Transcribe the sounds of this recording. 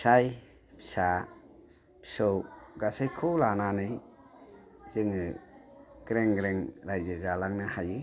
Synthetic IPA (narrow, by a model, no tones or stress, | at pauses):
saj | pʰi̥sa | pʰi̥sɔwɡasajkʰɔwlananɯj | zɯŋɯ | ɡ̥ɾeŋɡɾeŋɾajzɯzalaŋnɯhajɯ